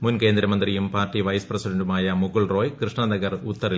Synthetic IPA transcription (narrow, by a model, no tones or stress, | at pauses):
munke̞ːnd̪ɾɐmɐnd̪rijumpaːrtːiʋɐjsprɐsiɖɐɳɖumaːjɐmuɣuɭro̞ːjkrɨʂɳɐd̪ɐɣɐrut̪ːɐri